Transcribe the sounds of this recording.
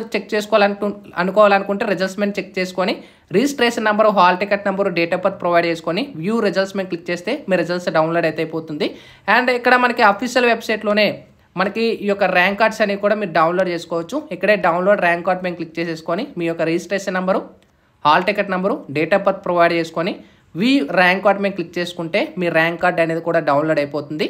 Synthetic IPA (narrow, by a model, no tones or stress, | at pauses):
t͡ʃek̚ːt͡ʃeːsu̥kɔːlɐɐ̰nukɔːʋaːlɐnukuɳʈeːɾed͡ʒɐlsmeːnt͡ʃek̚t͡ʃeːsu̥koːni | ɾiːsʈɾeːsnɐmbɐɾuɦaːlʈikeʈnɐmbɐɾuɖeːʈaːpɐt̪̚pɾoʋɐjɖt͡ʃeːsu̥koːniʋjuːɾed͡ʒɐlsmeːnklik̚ːt͡ʃe̞ːst̪eːmiːɾed͡ʒɐlsɖɐwnloːɖɐjt̪ɐjipoːt̪und̪i | aːɳɖikːɐɽɐmɐnɐkiɐpʰiʃjɐlʋe̞bsɐjʈlo̞ːne̞ː | mɐnɐkiiːjɔkːɐɾaːŋkːaːɾɖsɐnːiːkuːɽaːmiːɾuɖɐwnloːɖt͡ʃe̞ːsu̥kɔːʋɐt͡ʃːuikːɐɽe̞ːɖɐwunlo̞ːɖɾaːŋkːaːɾʈmeːmklik̚t͡ʃeːseːsu̥koːnimiːjɔkːɐɾid͡ʒisʈɾeːʃɐnːɐmbɐɾu | haːlʈikeʈnɐmbɐɾuɖeːʈaːpɐt̪̚pɾɐːʋɐjɖt͡ʃe̞ːsu̥koːni | ʋiːɾaːŋkːaːɾʈme̞ːmklik̚ːt͡ʃe̞ːsu̥kuɳʈe̞ːmiːɾaːŋkːaːɾɖɐneːd̪ikuːɽaːɖɐwnloɖɐjpoːt̪und̪i